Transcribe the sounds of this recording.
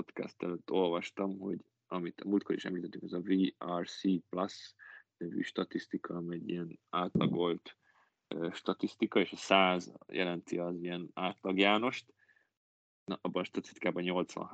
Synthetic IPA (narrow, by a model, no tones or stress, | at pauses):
ot̪kɛ̰st̪ɛløt̪ːo̞lvɒʃt̪ɒmɦo̞̰ɟ | ɒmit̪ʰɒmuːlt̪kʰo̞ɾḭʃɛ̰mliːt̪ɛt̪ːyŋkɛzɒviːɒrsiːplɒsnøvy̰ːʃt̪ɒt̪ist̪ikʰɒmɛɟːḭjɛnaːt̪lɒ̰ɡo̞lt̪ | øːʃt̪ɒt̪ist̪ikɒeːʃɒsaːzjʔɛ̰lɛnt̪iɒzijɛnaːt̪lɒɡjaːno̞ʃt̪ | nʔɒbːɒnʃt̪ɒt̪i̥st̪i̥kaːbɒɲo̞lt̪sʋɒ̰n